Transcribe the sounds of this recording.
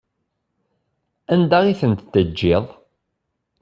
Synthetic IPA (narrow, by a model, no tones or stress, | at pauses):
ænd̪aʁiθənt̪t̪ːəd͡ʒːɪðˤ